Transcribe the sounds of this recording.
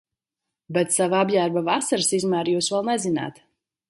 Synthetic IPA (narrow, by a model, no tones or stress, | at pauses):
bɛt̪savaabjæːɾbavasaɾsizmæːɾjuːsvɛlˠnɛzina̰ːt̪